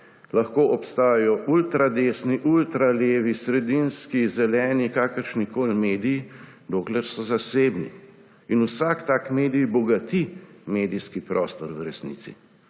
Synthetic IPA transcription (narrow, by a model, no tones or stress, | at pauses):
laxkoːʔɔpst̪aːjajɔʔult̪ɾad̪eːsniʔult̪ɾaleːʋisɾɛd̪inskizɛlɛːnikaːkəɾʃnikoːlmeːd̪iji | d̪oːklɛɾsɔzaseːbnḭ | inusakt̪aːkmeːd̪ijbɔɡat̪imeːd̪ijskipɾʔɔːst̪ɔɾwɾɛsnḭːt̪sḭ